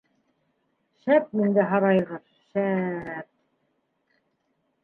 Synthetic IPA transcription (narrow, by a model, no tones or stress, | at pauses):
ʃæp̚mind̪æɦɑɾɑj̆ʁɤð | ʃæɾp̚